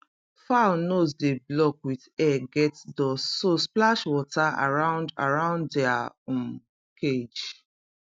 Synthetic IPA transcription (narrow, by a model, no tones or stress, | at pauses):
fanosdeblɔkwiðɛɡɛtdɔsːosplaʃwɔtaa̰ɹãʊ̃nda̰ɹãʊ̃nddɛa | ɔ̃ | kʰed͡ʒ